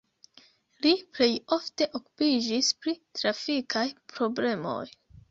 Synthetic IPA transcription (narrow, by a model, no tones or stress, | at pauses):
liple̞jo̞fte̞ʔo̞ku̥pid͡ʒispɾitɾafikajpɾo̞ble̞mo̞̰j